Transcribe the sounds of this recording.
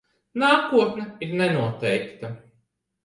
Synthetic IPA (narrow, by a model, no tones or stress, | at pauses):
naːkuɔt̪nɛiɾnɛnuɔt̪ɛjkt̪a